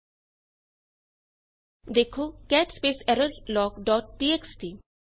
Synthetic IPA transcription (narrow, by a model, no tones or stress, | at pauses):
d̪ekʰokɛʈspeːsɛɾəllɔːkɖɔːʈ̚ʈieksʈi